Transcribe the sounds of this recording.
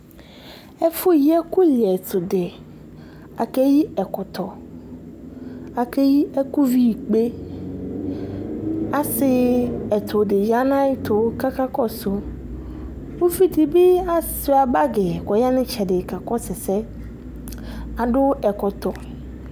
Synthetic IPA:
ɛ˦fʊ˦jɛ˦kʊ˦lɪ˨ɛ˨t̪ʊ˨dɪ˨ | a˨kɛ˦ji˦ɛ˨kɔ˨t̪ʰɔ˨ | a˨kɛ˦ji˦ʔɛ˦ku˦vi˦i˨k͡pe˦ | a˨sɪ˦ɛ˨t̪ʰʊ˨dɪ˨ja˦nã˦ɪ˦t̪ʰʊ˨˦ka˦ka˦kɔ˦sʊ˨ | wo˦fi˦t̪i˨bɪ˦a˦sɪ˨˦a˨ba˦ɡɪ˨kɔ˨ja˦nɪ̃˦t͡ʃʰɛ˨dɪ˨ka˨kɔ˦sɛ˨sɛ˦ | a˨dʊ˦ɛ˨kɔ˨t̪ɔ˨

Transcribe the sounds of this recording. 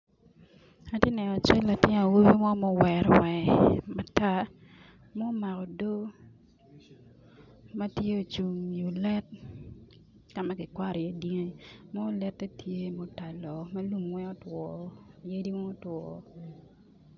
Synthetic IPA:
a˦tje˦nɛ˨nɔ˨t͡ʃɛ˦lla˨tɪ˦n˨a˨wo˦be˦mɔ˦mɔ˦wɛ˨ɾɔ˦wɛ˨ma˨ta˦ | mɔ˦ma˨kɔ˨do˦ | ma˦tje˦o˨t͡ʃu˨ŋju˨lɛ˦t̚ | ka˨ma˦kɪ˨kwa˦ɾɔ˨jɛ˦di˦ŋe˦˨mɔ˦lɛ˦tːe˦tʰje˦mo˦ta˨lɔ˨ma˦lu˦mwɛ˦o˦twɔ˨je˦di˦wɛ˦o˦twɔ˨

